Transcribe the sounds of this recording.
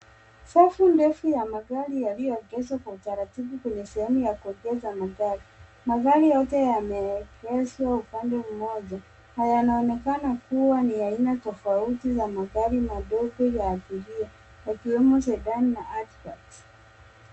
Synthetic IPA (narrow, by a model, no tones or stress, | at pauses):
safundɛfujamaɣaɾijalijɔɡɛswakwautaɾatiɓukwɛɲɛsɛhɛmujakuɔɡɛzamaɣaɾi | maɣaɾijɔtɛjamɛkɛzwaupandɛm̩mɔʄa | hajanaɔnɛkanakuwaniainatɔfautizamaɣaɾimaɗɔɡɔjaːθiɾia | jakiwɛmɔsɛɗaninaʔatkat